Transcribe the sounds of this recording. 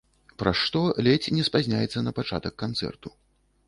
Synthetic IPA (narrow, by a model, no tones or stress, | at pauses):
pɾaʂt̪ɔlʲɛt͡sʲnʲɛspazʲnʲajɛt̪sːɐnɐpat͡ʂa̰t̪ɐkːant̪sɛ̰rt̪u